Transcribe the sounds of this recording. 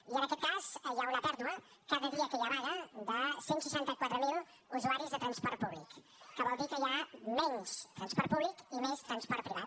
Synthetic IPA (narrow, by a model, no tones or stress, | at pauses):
iənəkɛt̪̚kazəjawnəpɛɾðuəkaðəðiəkejaβaɣəd̪əsensəʃant̪əkwat̪ɾəmilˠ | uzuaɾizðət̪ɾənspɔɾt̪̚puβlik | kəβɔlˠd̪ikəjamɛɲst̪ɾənspɔɾt̪̚puβlikimest̪ɾənspɔɾt̪̚pɾiβat̪